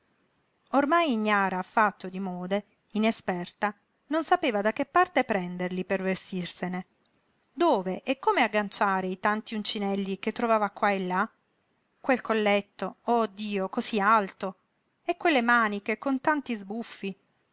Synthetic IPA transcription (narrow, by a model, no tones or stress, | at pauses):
ormajiɲːaːɾaːfːat̪ːod̪imɔːd̪e | inespɛrt̪a | nonsapeːvad̪ak̟ːepːart̪epɾɛnd̪erlipervest̪irsene | d̪oːveʔɛkːomeaɡːant͡ʃaːɾeit̪ant̪iunt͡ʃinɛlːik̟et̪ːɾovaːvakwaelːa | kwelkolːet̪ːood̪ːiːokosialt̪o | ekːwelːemaːnikekont̪ant̪izbufːi